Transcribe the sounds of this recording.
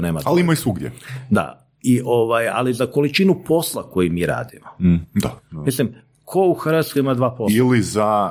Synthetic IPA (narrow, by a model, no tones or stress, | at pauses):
neːmaaliimaisuɡd̪jḛd̪a̰ | iʔo̞ʋaja̰lizakolit͡ʃinupo̞slˠako̞jimiːɾa̰ːd̪imod̪amislim | kʰo̞uxrʋat̪skoimad̪ʋaːpoiliza